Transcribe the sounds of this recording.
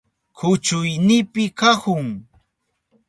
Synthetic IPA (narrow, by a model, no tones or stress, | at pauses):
kʊt͡ʃʊjnɪpɪkakʊŋ